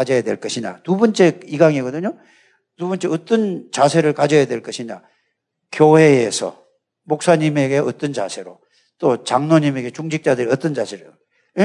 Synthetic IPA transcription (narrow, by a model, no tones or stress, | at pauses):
ad͡ʑʌjadwe̞̰ɭk͈ʌɕʰiɲa̰t̪ubʌnt͡ɕ͈e̞iɡaŋiɡʌdɯɲo | tubʌnt͡ɕ͈e̞ʌt̪͈ʌnt͡ɕasʰe̞ɾɯɭkad͡ʑʌjadwe̞ɭk͈ʌɕʰiɲa̰ | kjohe̞ːsʰʌ̰ | mok̚s͈aɲime̞ɡe̞ʌt͈ʌnt͡ɕa̰sʰe̞ɾo | t͈ot͡ɕaŋnoɲime̞ɡe̞t͡ɕuŋd͡ʑʰik̚t͡ɕ͈adɯɾiʌt͈ʌnd͡ʑasʰeɾɯ